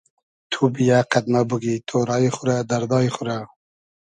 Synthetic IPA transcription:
t̪ʰubijaqad̪mabuɡit̪ʰoɾaiχʊɾad̪aɾd̪ɑiχʊɾa

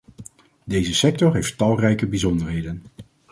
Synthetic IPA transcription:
dejzəsɛk̚tɔɹɦejftɑlˠrɛjkəbizɔndəɹɦejdən

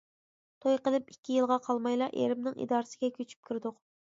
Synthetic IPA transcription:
t̪ʰojqəlˠɨpikʲːijɨlˠʁɑqʰɑlˠmɑjlˠɑʔḛɾɪmnɪŋḭd̪ɑːɾɨsɪɡʲɛkʲøt͡ʃʰy̥p̚kʲʰyɾd̪ʊq

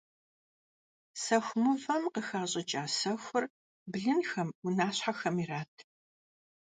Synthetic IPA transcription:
sɐxʷmɨvɐmqəxaːɕʼɐt͡ʃʼaːsɐxʷʊr | bɮɨnxɐmʊnaːɕħaxɐmiraːtʰ

